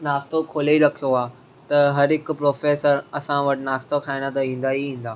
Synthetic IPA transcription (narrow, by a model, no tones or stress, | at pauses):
naːst̪okʰoːleɾɐkʰijoaː | t̪ɐɦɐɾɦɪkpɾoːfeːsəɾɐsãʋɐʈɪnaːst̪okʰaːiñat̪ɐɦĩːn̆d̪aɦiĩːnd̪aː